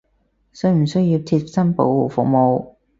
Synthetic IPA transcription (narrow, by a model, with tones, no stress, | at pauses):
sɵ˥ɥm̩˨˩sɵ˥ɥjiː˧wt͡sʰi˧sɐ˥npo̰˧wwu˨˩fʊ̰˨k̚mo˨˧w